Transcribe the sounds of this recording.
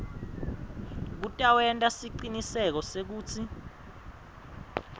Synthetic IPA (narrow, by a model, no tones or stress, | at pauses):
k̬utʼawɛntʼasiǃinisɛk̬ɔsek̬uːt͡sʰi